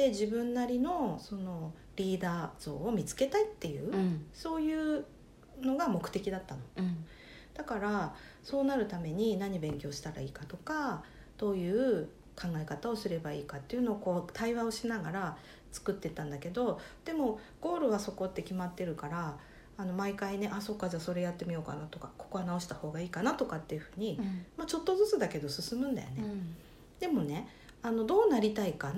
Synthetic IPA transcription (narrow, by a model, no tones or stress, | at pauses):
d̪e̞ʑibɯ̟̃nːaɾʲino̞so̞no̞ | ɾʲiːd̪aːz̥o̞ːmʲit͡sɨ̥ke̞t̪ait̪ːe̞jɯ̟̰ːso̞ːjɯ̟ː | no̞ɡamo̞kɯ̟̥t̪e̞kʲid̪at̪ːano̞ | d̪̥akaɾa | so̞ːnaɾɯ̟t̪ame̞ɲ̟inaɲ̟ibẽ̞ŋkʲo̞ːɕi̥t̪aɾa̰iːkat̪o̞ka | d̪̥o̞ːjɯ̟ː | kãŋɡae̞kat̪ao̞sɨɾe̞baiːkat̪ːeiɯ̟noːko̞ːt̪aiβao̞ɕinaɡaɾa | t͡sɨ̥kɯ̟t̪ːe̞t̪ãnd̪ake̞d̪o̞d̪̥e̞mo̞ | ɡ̥o̞ːɾɯ̟βaso̞ko̞t̪ːe̞kʲimat̪ːe̞ɾɯ̟kaɾaː | no̞maikaine̞ʔaso̞kːad͡ʑaːso̞ɾe̞jat̪ːe̞mʲijo̞ːka̰nat̪okako̞̥ko̞βanao̞ɕi̥t̪aho̞ːɡaiːkanat̪o̞kat̪ːe̞jɯ̟ɸɯ̟ːɲ̟imat͡ɕo̞t̪ːo̞zɨt͡sɨd̪ake̞d̪o̞sɨsɨmɯ̟̃nd̪a̰jo̞̰ne | d̪̥e̞mo̞ne̞ | ano̞d̪o̞ːnaɾʲit̪aika